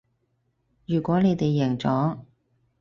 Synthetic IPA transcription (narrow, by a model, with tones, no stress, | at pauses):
jyː˨˩kʷɔː˨˥ne˨˧jt̪e˨jːɛ˨˩ŋt͡sɔː˨˥ŋ